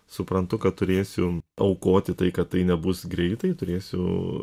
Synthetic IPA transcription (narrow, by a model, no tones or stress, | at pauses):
sʊpɾɐnt̪ʊkɐt̪t̪ʊɾʲeːsʲʊɐʊkoːt̪ʲɪt̪ɐɪkɐt̪̚t̪ːɐɪnʲɛbʊsɡɾʲɛɪt̪ɐɪt̪ʊɾʲeːsʲʊ̰